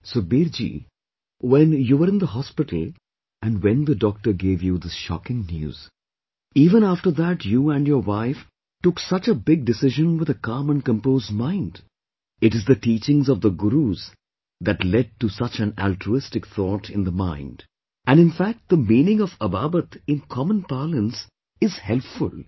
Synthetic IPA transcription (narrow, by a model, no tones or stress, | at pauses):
sobiɾd͡ʒḭ | wɛ̃njuwəɾɨ̃nd̪əɦɔspɪʈl̩ˠ | ʔæ̃nɖwɛ̃nd̪əɖɔk̚ʈəɾɡeːvjud̪ɪʃɑ̰kɪ̃ŋnjṵːz̥ | iːvə̃næfʈəɾðæʈjuːæ̃njəɾwaɪf | ʈʊksʌt͡ʃəbɪɡ̚ɖɨsɪʒə̃nwɪðəkɑ̃ːmə̃nkə̃mpoʊzd̚mãɪ̃nd | ɨʈɨzðəʈiːt͡ʃɪ̃ŋzɔvðəɡʊɾuz̥ | ðæʈlɛɖ̚ʈusʌt͡ʃɨ̃næ̰ltɾuɪstɨkθɔʈɪ̃nd̪əmã̰ɪ̃nd | ʔæ̃nɨ̃nfæk̚t̚d̪əmĩːnɪ̃ŋɔvəbabət̪ɪ̃nkʰɔmə̃npalə̃ns | ɪz̥hɛlpfʊ̰lˠ